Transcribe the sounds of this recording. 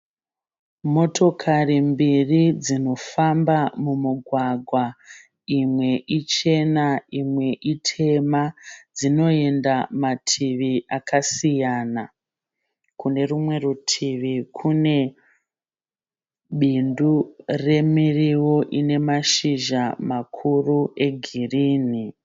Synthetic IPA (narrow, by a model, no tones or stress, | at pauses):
mo̞tʰo̞kʰarimbirid͡zino̞fambamumuɡʱwaɡʱwa | imwe̞ʔit͡ʃe̞naimwe̞ʔitʰe̞mad͡zino̞e̞ndamatʰiʋiʔakasijaːna | kune̞rumwe̞rutʰiʋikʰune̞ | ɓindure̞miriwo̞ʔine̞maʃiʒamakʰurue̞ɡʱiriːni